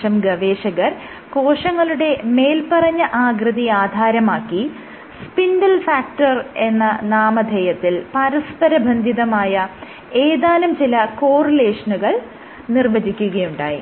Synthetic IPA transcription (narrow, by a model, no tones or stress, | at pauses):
ɐmɡɐʋe̞ːʂɐɣɐɾ | ko̞ːʂɐŋːɐɭuɽe̞me̞ːlpɐrɐɲːɐʔaːɡɾɨðiaːd̪ʱaːɾɐmaːkːi | spinɖɐlfaːk̚ʈɐre̞nːɐnaːmɐd̪ʱɐjɐt̪ːilpɐɾɐspɐɾɐbʱɐnd̪ʱiðɐmaːjɐ | eːðaːlumt͡ɕilɐko̞ːrɐle̞ːʂɐnuɣɐɭ | nirʋɐd͡ʑikʲːuɣɐjuɳɖaːjḭ